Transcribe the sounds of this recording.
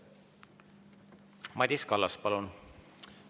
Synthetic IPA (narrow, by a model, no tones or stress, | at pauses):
mɑd̪ʲiskɑlːɑs̚pɑlun